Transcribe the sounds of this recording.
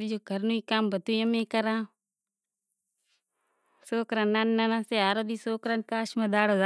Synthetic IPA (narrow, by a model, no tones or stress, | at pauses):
id͡ʒoːkəɾnuiːkaːmbət̪ujãmẽːkəɾãː | soːkɾananːanãseaːɾoːd̪isoːkɾankaːʃmãd̪aːɽoda